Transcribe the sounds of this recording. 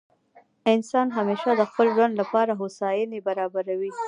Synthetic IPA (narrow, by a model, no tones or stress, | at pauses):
ɪnsɑnɦameʃad̪əxpəlʒwand̪lapɑɾaɦosɑjanebaɾɑbaɾawi